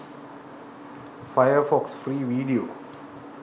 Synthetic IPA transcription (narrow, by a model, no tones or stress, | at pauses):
fajəfɔksfɾiːʋiːɖioː